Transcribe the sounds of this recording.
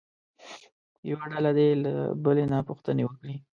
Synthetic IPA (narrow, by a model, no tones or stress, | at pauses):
jawaɖalad̪ela̰bəlenapuxt̪ənewəkɽi